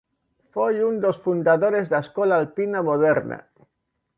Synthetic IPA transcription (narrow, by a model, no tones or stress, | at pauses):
fojund̪osfund̪aðoɾezðaskolaːlpinamoðeɾna̰